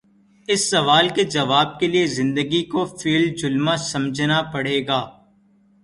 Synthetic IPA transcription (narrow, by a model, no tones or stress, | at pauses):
ɪsːɐʋaːlked͡ʒɐʋaːb̚keliezɪ̃nd̪əɡikofiːld͡ʒʊlmasɐ̃md͡ʒʱnapɐɽ̤eːɡaː